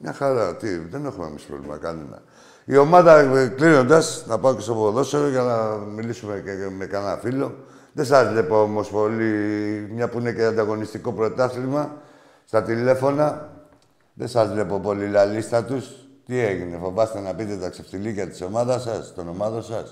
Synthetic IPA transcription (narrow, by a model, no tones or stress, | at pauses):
mɲɐxɐɾɐt̪iðe̞ne̞xumḛmispɾovlḭmɐ̰kɐnunɐ̰ | io̞mɐðɐklino̞nd̪ɐsnɐpɐokest̪opoðo̞seoʝɐnɐmilisumeeme̞kanɐfilo̞ | ðe̞sɐzle̞po̞omo̞spo̞limɲɐpuine̞ceand̪ɐɣo̞nist̪iko̞pɾo̞t̪ɐθɾimɐ | st̪ɐt̪ile̞fo̞nɐ | ðe̞sɐzvle̞po̞po̞lilalist̪ɐt̪ust̪ie̞ʝine̞fobɐst̪e̞nɐpit̪e̞t̪ɐkseft̪ilikɐt̪i̥so̞mɐðɐsɐst̪o̞no̞mɐðosɐs